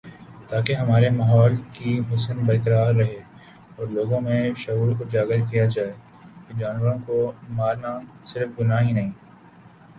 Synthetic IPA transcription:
t̪aːkeɦɐmaːɾemaːɦɔːlkiɦʊsənbɐɾkəɾaːɾːɐɦe | ɔːɾloːɡõmẽʃɐɦuːɾkʊd͡ʒaːɡəɾkijad͡ʒaːe | ked͡ʒaːnʋəɾõkomaːɾna | sɪɾəfɡʊnaɦinɐɦĩː

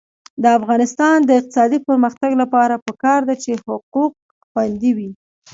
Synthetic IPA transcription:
d̪əafɣɑnɪst̪ɑnd̪əɪq̚t̪ɪsɑd̪ipəɾməxt̪aɡlapɑɾapəkɑɾd̪at͡ʃehʊquq̚ | xwand̪iwi

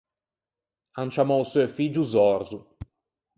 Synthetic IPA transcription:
ant͡ʃamɔsuefiːd͡ʒuzɔrzu

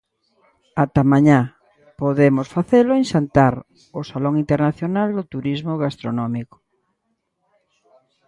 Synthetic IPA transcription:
at̪amãɲa | poðemosfaθelʊenʃant̪aɾ | osalɔŋĩnt̪eɾnaθjonald̪ʊt̪uɾizmoɣast̪ɾonɔmikʊ̥

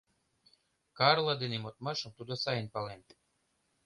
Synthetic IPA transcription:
kɑrlˠad̪enemot̪mɑʃə̆mt̪ud̪osɑjənpɑlent̪

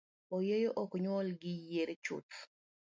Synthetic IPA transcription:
ɔjejoʔɔkɲwɔlɡɪjeɾet͡ʃʊ̰t̪

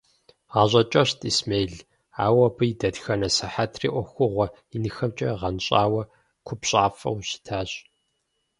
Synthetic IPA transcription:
ʁaːʑʼɐt͡ʃʼɐɕtʰʼismeːɮ | a̰ːwɐbɨjdɐdxɐnɐsɐħatʰrḭːʔʷɔxʷʊʁʷɔ | inɨxɐmt͡ʃʼɐʁɐnɕʼaːwɐ | kʷʰʊpɕʼaːfɐ̰wɕɪ̥tʰaːɕ

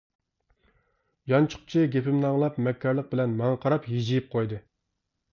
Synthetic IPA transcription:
jɑnt͡ʃʰʊ̥qt͡ʃʰiɡʲepʰɪmnɑŋlˠɑpmɛkʲʰːɛɾlˠəq̚bɪlɛnmɑŋqʰɑɾɑpjid͡ʒijip̚qʰojd̪ɨ

